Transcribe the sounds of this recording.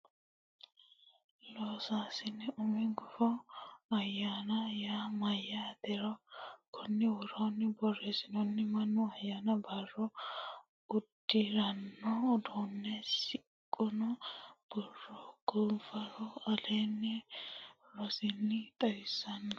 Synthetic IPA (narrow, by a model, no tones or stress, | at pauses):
loːsaːsɪnːɪʔʊmɪɡɔfɔɐjːaːnɐjaːmɐjːad̪ɛɾɔkʰʊnːɪwɔɾonːɪbɔreːsɪnɔnːɪmɐnːʊɐjaːnɐbɐrɔ | ʊd̪̥ːɪɾɐnːɔd̪oːnːɛsɪ | kʼːɔnɔb̥ɔrːɔɡ̥ɔlfɐɾɔɐleːnːɪ | lɔsɪnːɪt̪ʼɐjɪsːɐnːɐ